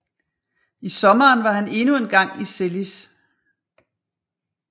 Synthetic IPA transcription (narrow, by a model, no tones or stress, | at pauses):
isɒ̽mɐːnʋɑ̈ɦæne̝nue̝nɡ̥ɑ̈ŋ̰iselis